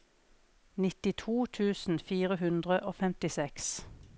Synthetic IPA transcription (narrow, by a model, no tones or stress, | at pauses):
nɪt̪ɪt̪ʰuːt̪ʰʉːsn̩fiːʁəhʉnd̪ʁəʔoːfɛmt̪ɪsɛks